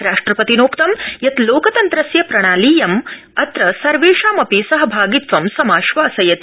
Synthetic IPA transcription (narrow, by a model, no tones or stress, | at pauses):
ɾaːʂʈɾɐpɐt̪inoːkt̪ɐmjɐt̪loːkɐt̪ɐnt̪ɾɐsjɐpɾɐɽ̃aːliːjɐm | ɐt̪ɾɐsɐɾʋeːʂaːmɐpisɐɦɐbʱaːɡit̪ʋɐmsɐmaːʃʋaːsɐjɐt̪